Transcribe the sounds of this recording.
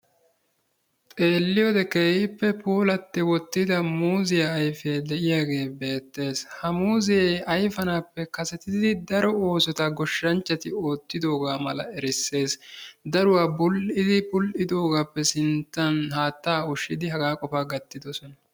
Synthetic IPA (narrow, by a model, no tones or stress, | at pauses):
t̪ʼe̞ːlːɪjod̪ɛkeːhɪpːɛpʰuːlɐt̪ːɪwɔt̪ːɪd̪ɐmuːzɪjɐːjfe̞ːd̪ɛʔɪjaːɡe̞ːbe̞ːt̪ːe̞ːshɐmuːzɪjeːɐjfɐnaːpːɛkɐsɛt̪ɪd̪ɪd̪ɪd̪ɐɾɔo̞ːsɔt̪ɐɡɔʃːɐnt͡ʃːɐt̪ɪo̞ːt̪ːɪd̪o̞ːɡaːmɐlɐɛɾɪsːe̞ːsd̪ɐɾʊwaːbʊlʔɪd̪ɪbʊlʔɪd̪o̞ːɡaːpːɛsɪnt̪ːɐnhaːt̪ːaːʊʃːɪd̪ɪɦɐɡaːkʼɔfaːɡɐt̪ːɪd̪ɔsɔnɐ